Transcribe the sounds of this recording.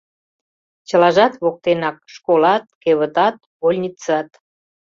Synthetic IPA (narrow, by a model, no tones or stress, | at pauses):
t͡ɕəlɑʒɑt̪βok̚t̪enɑk̚ʃkolɑt̪̚keβət̪ɑt̪̚ | olʲnʲit͡sɑt̪